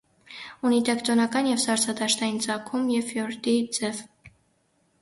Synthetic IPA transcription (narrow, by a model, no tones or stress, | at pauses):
unit̪ɛkʰt̪ɔnɑkɑnjɛvsɑɾt͡sʰɑd̪ɑʃt̪ɑjint͡sɑkʰumjɛvfjɔɾd̪id͡zɛv